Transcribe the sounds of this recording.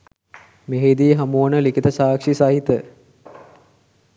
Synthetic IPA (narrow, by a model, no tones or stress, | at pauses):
meɦed̪iɦamuənəlikit̪əsaːkʂisaɦit̪ə